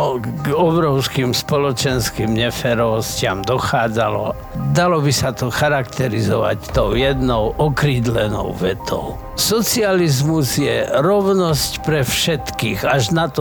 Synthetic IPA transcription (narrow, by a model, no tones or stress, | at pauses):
ɡɔbɾɔʊskimspɔlɔt͡ʃɛnskimɲɛfɛɾɔʋɔscɪamd̪ɔxaːd͡zalɔ̰ | d̪alɔbisat̪ɔxaɾakt̪ɛɾizɔʋa̰ct̪ɔʊjɛd̪nɔʊʔɔkɾiːd̪lɛnɔ̰ʊʋɛt̪ʰɔ̰ʊ | sɔt͡sializmuzjɛɾɔʋnɔscpɾɛfʃɛt̪kiːɣaʒnat̪ɔ